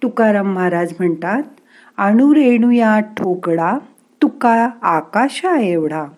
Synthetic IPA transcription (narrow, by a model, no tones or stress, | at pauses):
t̪ukaɾamːaɾad͡zm̤əɳt̪at̪̚ | aɽ̃uɾeɽ̃ujaʈʰokɽa | t̪ukaːkaɕaeʋɽ̤a